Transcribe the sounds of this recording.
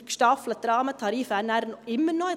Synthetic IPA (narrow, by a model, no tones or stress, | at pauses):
kʃʈɑːfləd̪ɾɑːmət̪ʰɑɾiːfænæɾnɪmənɔ